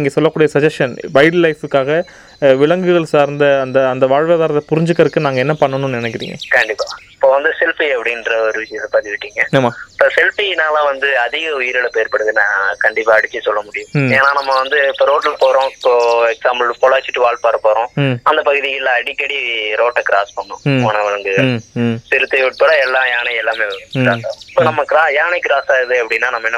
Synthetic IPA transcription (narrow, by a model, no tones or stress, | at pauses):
iɪŋɡɐsɔlːɐkːuːɽɪjɐsɐd͡ʒɐsʈɐnbɐjɽlːɐɪfɯkːaːɣɐ | ʋɪɭɐŋɡɯɣɐɭsaːɾnd̪ɐːnd̪ɐːnd̪ɐʋaːɻʋeðaːɾɐt̪ːɐpʊɾɪɲd͡ʒɯkːɐɾɯkːɯnaːŋɡɐɛnːɐpɐɳːɐnːʊ̃nnɪnɛkːɪɾḭŋɡɐ̰kɐɳɖɪpːaːɪpːoːʋɐnd̪ɯsɛlpiɐpːɐɽɪnɾɐɔɾɯʋɪʃɐjɐspaɾt̪ɪʋɪʈːiːŋɡɐɪɐmaːpːɐsɛlpinaːlãːʋɐnd̪ɯɐðɪɣɐʊjɪɾɯlɐpeːɾpɐɽɯðɯnãːkɐɳɖɪpːaːɐɽɪt͡ʃːɯsɔlːɐmʊɽɪjʊ̃eːnaːnɐmːɐʋɐnd̪ɯɪpːoːɾoːʈːlɐpoːɾõɪpːoːɛksaːmblkɔlaːt͡ʃːɪʈːɯʋaːɭpaːɾɐpoːɾõːɐnd̪ɐpɐɣɯðɪjɪlːãɐɽɪkːɐɽiɾoːʈːɐkɪɾa̰ːspɐɳɖʊ̰̃ɔɳɐʋɐɾɐŋɡɯɣɐɭsɪɾɯt̪ːɐʋʊʈ̚pɐɽɐɛlːãːjaːnɐɛlːaːmeːʋkɾaːsaːð̃ɪpːoːnɐmːɐkɪɾaːjaːnɛkɪɾaːsaːɣɐðɯɐpːɐɽɪnːaːnɐmːɐɛnːɐ